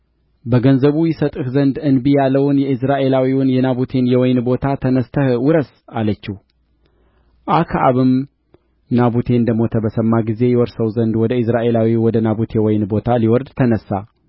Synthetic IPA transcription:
bəɡənzəβujɪsət̪ʼɨhzənd̪ɨnbijalːəwnjɛʔɨs̬ɾaʔe̞lawiwʊnjɛnaβut̪ʰe̞njɛwɔjnbo̞t̪ʰat̪ʰənəst̪ʰəhwʊɾəs | alət͡ʃːɪh | ʔakʰaʔaβɨm | naβut̪ʰe̞nd̪əmo̞t̪ʰəbəsəmːaɡize̞jɛwɔɾsəwzənd̪wɔd̪əɨsɾaʔe̞lawiwɔd̪ənabut̪ʰjɛwɔjnbo̞t̪ʰaliwɔɾd̪t̪ʰənəsːa

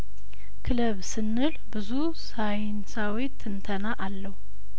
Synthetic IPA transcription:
kʰɨləβsɨnːɨlbɨzu | sajɪnsawit̪ʰːɨnt̪ʰənaʔalːəhu

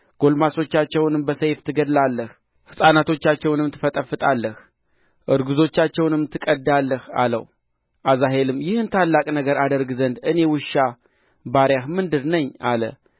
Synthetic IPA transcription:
ɡ̥o̞lmaso̞t͡ʃːat͡ʃːɛwnɨmbəsəjft̪ʰɨɡəd̪lalːəh | hɨsʼanat̪ʰo̞t͡ʃːat͡ʃːɛwnɨmt̪ʰɨ̥fət̪ʼəfːɨt̪ʼalːəh | ʔɨɾɡuzo̞t͡ʃːat͡ʃːɛwnɨmt̪ʰɨkʼəd̪alːəha̰lə̰w | ʔazaɦe̞lɨmjɪhɨnt̪ʰalːakʼnəɡəɾad̪əɾɡzənd̪ɨne̞wɨʃa | baɾjahmɨnd̪ɨɾnəɲːʔalə̰

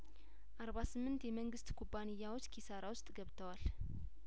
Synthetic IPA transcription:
ʔaɾβasɨmːɨnt̪jɛməŋɡɨst̪kʰubːanɨjːawo̞t͡ʃːkʰisaɾawʊst̪ʼɡəβt̪ʰəwal

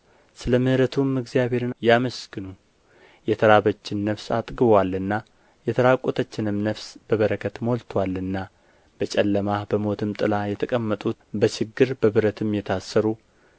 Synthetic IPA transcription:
sɨləmɨhɾət̪ʰumɨɡzijaβe̞ɾɨnjaməsɡɨnu | jɛt̪ʰəɾaβət͡ʃːɪnːəfsat̪ʼɡɨβwalːɨnːa | jɛt̪ʰəɾakʼot̪ʰət͡ʃːɪnɨmnəfsb̥əβəɾəkʰət̪mo̞lt̪ʰwalːɨnːa | b̥ət͡ʃʼɛlːəmabəmo̞t̪ʰɨmt̪ʼɨlajɛt̪ʰəkʼəmːət̪ʼut̪bət͡ʃɪɡːɨɾbəβɨɾət̪ʰɨmjɛt̪ʰasːəɾu

